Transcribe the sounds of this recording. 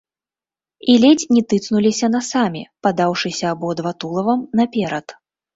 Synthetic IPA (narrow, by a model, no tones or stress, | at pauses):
ilʲɛt͡sʲnʲɛt̪ɨt̪snulʲisʲɐnasamʲipad̪awʂɨsʲɐːbɔd̪vat̪ulˠɐvɐmnɐpʲɛɾɐt̪